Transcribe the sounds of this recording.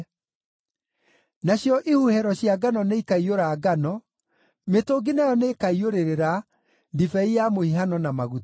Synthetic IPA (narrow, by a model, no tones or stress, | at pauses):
naɕjɔʔihuhɛɾɔɕjaɡanɔneikaioɾaɡanɔ | metoɡinajɔnekaioɾeɾeɾa | ndifɛijamohiɦanɔnamaɣut